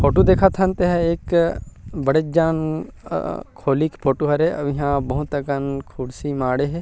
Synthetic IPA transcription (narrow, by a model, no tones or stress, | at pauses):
pʰoːʈud̪eːkʰat̪ʰãnt̪eɦɛeːk | bɐɽed͡ʒaːn̰ | kʰoːlikpʰoːʈuɦɐɾeɐʋɪɦãbɐɦʊt̪ɐkənkʰʊɽsimaːɽeɦɛː